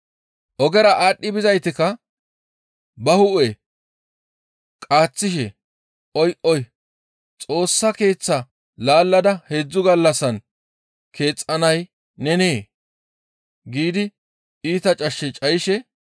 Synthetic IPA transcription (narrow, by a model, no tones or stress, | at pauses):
ʔɔɡɛɾɐʔaːɗːɪbɪzɐjt̪ɪkɐ | bɐhʊʔe | kʼaːt͡sːɪʃ̬ɛ | ʔɔjʔɔj | t͡sʼo̞ːsːɐke̞ːt͡sːɐ | laːlːɐd̪ɐheːd͡zːʊɡɐlːɐsɐn | kʰe̞ːt͡sʼːɐnɐj | nɛneː | ɡiːd̪ɪ | iːt̪ɐt͡ʃʼɐʃːɛt͡ʃʼɐjɪʃɛ